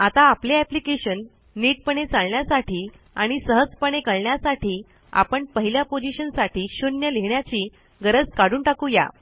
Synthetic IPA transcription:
at̪aːpleɛplikeɕənː | iːʈ̚pəɳet͡salɳjasaʈʰiː | aɽ̃isəɦəd͡zpəɳ̃ekəɭɳjasaʈiː | a̰pəɳpəɦiljapod͡ʑiɕənsaʈʰiːɕonjəleɳjat͡ɕiː | ɡəɾəd͡zkaɽuːɳʈakuja̰

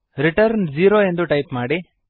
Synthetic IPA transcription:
ɾiʈɐɾnd͡ʒiːɾoːend̪uʈɐjpmaːɽi

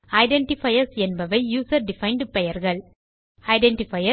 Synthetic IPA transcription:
ɐɪɖɛɳʈɪfɐjɐɾsɛnbɐʋɐɪjuːsɐɾɖɪfɐɪɳɖpɛjɐɾɣɐɭ | ɐɪɖɛɳʈɪfɐjɐ

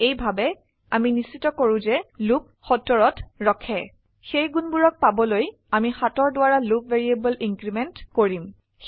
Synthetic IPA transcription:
ejbʱabɛ | aminisitɔkoɹʊ̃zɛlup̚xɔtːɔɹɔtɹɔkʰɛ | xejɡunbuɹɔk̚pabɔloj | amixatɔɹdʊwaɹalup̚veɹiebɔliŋɡɹimɛntkoɹim

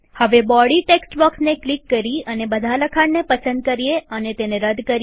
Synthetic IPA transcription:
həʋebɔɽiʈeksʈbɔksneklikːəɾiənebəd̪ʱaləkʰaɽnepəsə̃nd̪̚kəɾijeənet̪eneɾəd̪kəɾ

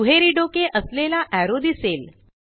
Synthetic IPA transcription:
ɦeɾiɖokeʔəslelaʔæɾod̪isel

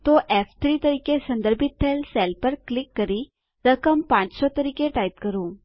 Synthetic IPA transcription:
t̪oʔeːfʰt̪ʰɾiːt̪ɐɾiːkesɐ̃nd̪əɾbʱɪt̪̚ːeːlseːlpəɾklɪkːəɾi | ɾəkəmpãːt͡ʃsɔt̪ɐɾiːkeʈaːjt̪kəɾuː

